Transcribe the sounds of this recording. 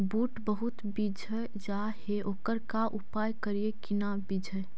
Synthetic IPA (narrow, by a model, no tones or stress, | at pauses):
buːʈbəɦut̪bid͡ʒʱə | d͡ʒa | heʔoːkəɾkaʔupajkəɾiekinabid͡ʒʱə